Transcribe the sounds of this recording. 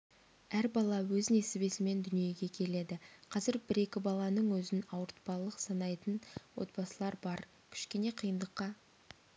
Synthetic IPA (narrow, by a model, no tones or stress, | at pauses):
æɾbɑlˠɑwɵzne̞sɪbe̞sɪme̞nd̪ʏnije̞ɡʲe̞kʲʰe̞le̞d̪ɪqʰɑzɪɾbɪɾe̞kʲɪbɑlˠɑnəɴwɵzɪnɑwəɾt̪̚pɑlˠəqsɑnɑjt̪ənwo̞̰t̪̚bɑsəlˠɑɾbɑɾ | kʲʰʏ̥ʃkʲe̞ne̞qʰijənd̪əqːɑ